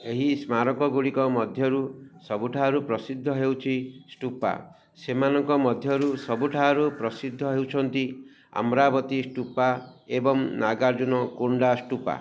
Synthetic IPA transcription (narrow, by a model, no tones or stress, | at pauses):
eɦismaɾɔkɔɡuɽikɔmɔd̪ʱjɔɾusɔbuʈʰaɦɔɾupɾɔsid̪ʱːɔɦewt͡ʃʰisʈupa̰ | semanɔŋkɔmɔd̪ʱjɔɾusɔbuʈʰaɦɔɾupɾɔsid̪ʱːɔɦewt͡ʃʰɔnt̪i | a̰mɾabɔt̪isʈupaebɔŋnaɡaɾd͡ʒunɔkuɳɖasʈupa̰